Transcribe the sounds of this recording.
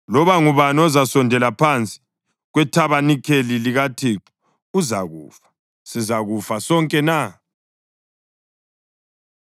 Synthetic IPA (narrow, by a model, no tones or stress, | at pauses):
lɔβaŋuβanɔzasɔndʱɛlapʰant͡sʼi̥ | ɣwɛtʰaβanikʰeliliɣatʰiǁu | uza̰ɣṵːfḁ | sizaɣufasɔŋkʼɛna